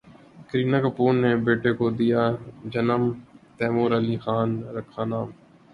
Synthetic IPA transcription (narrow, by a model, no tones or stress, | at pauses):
kɾiːnaːkəpuːnːebeːʈekod̪ijaːd͡ʒɐnəmt̪ɛːmoːɾəliːxaːnɾɐkʰːaːnaːm